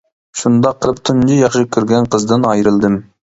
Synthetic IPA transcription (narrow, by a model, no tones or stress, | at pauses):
ʃund̪ɑqʰːəlˠəp̚t̪ʰund͡ʒijɑχʃɨkʲʰyɾɡʲɛnqʰəzd̪ɪnɑjɾɨlˠd̪ɨm